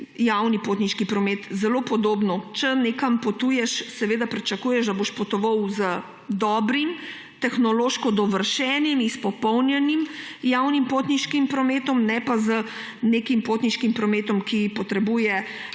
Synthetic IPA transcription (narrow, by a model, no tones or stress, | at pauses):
jawnipoːt̪niʃkipɾɔmeːt̪zɛlopɔd̪oːbnɔt͡ʃɛnekampɔt̪uːjɛʃsɛʋeːd̪apɾit͡ʃɐkuːjɛʒd̪aboʃpɔt̪ɔʋɐwzə | d̪ɔːbɾim | t̪ɛxnɔloːʃkɔd̪ɔʋəɾʃɛːnimispɔpɔwnjɛnimjawnimpoːt̪niʃkimpɾɔmeːt̪ɔmnɛpazə | neːkimpot̪niʃkimpɾɔmeːt̪ɔmkipɔt̪ɾɛbuːjɛ